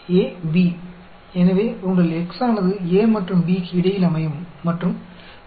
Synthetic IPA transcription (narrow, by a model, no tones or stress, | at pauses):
eːbi | enɐʋepuɳɖɐleksaːɳɐðɨeːmɐʈrumbikiɽɐjilɐmɐjɐmːɐʈrum